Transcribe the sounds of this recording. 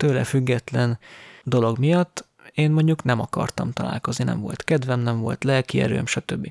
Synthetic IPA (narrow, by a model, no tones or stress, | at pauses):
t̪øːlɛfyɡːɛt̪lɛnd̪o̞lo̞ɡmijɒt̪ː | eːnmo̞ɲɟuknɛmɒkɒ̰rt̪ɒmt̪ɒla̰ːlko̞zninɛ̰ɱvo̞̰lt̪kɛd̪vɛmnɛɱvo̞̰lt̪lɛkiɛ̰ɾø̰ːmʃɒt̪øbːi